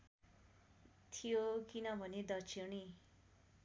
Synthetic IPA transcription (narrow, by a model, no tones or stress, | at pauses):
t̪ʰijokinʌbʱʌned̪ʌt͡ʃʰiñi